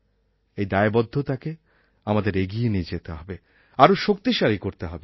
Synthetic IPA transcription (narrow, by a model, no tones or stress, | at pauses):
ejd̪aebɔd̪ʱːot̪ake | amad̪eɾeɡienied͡ʑet̪eɦɔbe | aɾoʃok̚t̪iʃaɾikoɾt̪eɦɔbe